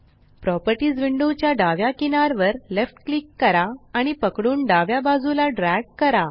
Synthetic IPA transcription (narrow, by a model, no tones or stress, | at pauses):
pɾɔpəɾʈiːd͡zʋiɳɖot͡ɕjaɖaʋjakinaɾʋəɾlefʈklikːəɾaːɽ̃ipəkɽuːnɖaʋjabad͡zulaɖɾɛɡ̚kəɾa